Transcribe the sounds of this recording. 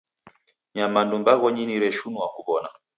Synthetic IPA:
ɲamandumbaɣɔɲiniɾɛʃunuwakuβɔna

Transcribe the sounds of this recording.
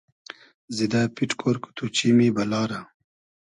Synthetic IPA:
zid̪apiʈkʰoɾku̥t̪ut͡ʃimibɐlɑːɾa

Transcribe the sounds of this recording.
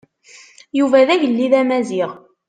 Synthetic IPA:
juvæðæʝəlːiðæmæziʁ

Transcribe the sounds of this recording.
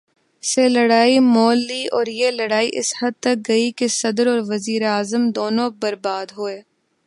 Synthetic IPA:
selɐɽaːimɔːlːiɔːɾjelɐɽaːiʔɪshɐd̪̚t̪ɐk̚ɡɐikesɐd̪əɾɔːɾʋɐziːɾeaːzəmd̪oːnõbɐɾbaːd̪ɦoːeː

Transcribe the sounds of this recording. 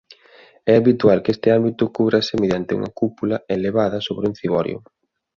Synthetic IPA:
ɛaβit̪ualkest̪ɪambit̪ʊkuβɾasɪmeðjant̪ɪṵŋɐ̰kupulɐeleβaðɐsoβɾɪunθiβɔɾjʊ̰

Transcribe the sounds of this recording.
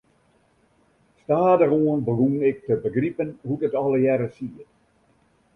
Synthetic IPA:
staːdəroənbəɡunɪk̚təbəɡripənhudətɑləjɛɾəsiət

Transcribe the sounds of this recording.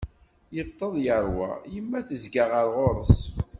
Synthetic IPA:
jət̪ˤːəðˤjəɾˤwæ̰jəmːæθəzɡaʁəɾˤʁoɾˤəs

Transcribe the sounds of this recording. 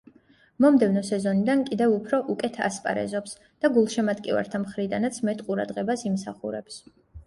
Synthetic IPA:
mɔmd̪ɛvnɔsɛzɔnid̪ankʼid̪ɛvupʰɾɔʔukʼɛt̪ʰa̰spʼa̰ɾɛ̰zɔps | d̪̥aɡulˠʃɛmat̪ʼkʼiva̰ɾt̪ʰamχɾid̪anat̪sʰmɛt̪ʼqʼuɾa̰d̪ʁɛbasimsaχṵɾɛps

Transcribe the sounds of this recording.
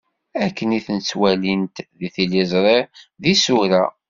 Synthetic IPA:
ækːəniθənt͡sːwælint̪ðiθilizˤɾˤeðisuɾæ

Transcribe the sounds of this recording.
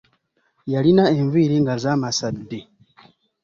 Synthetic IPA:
jalinaeɱviɾiŋɡazamasadːi

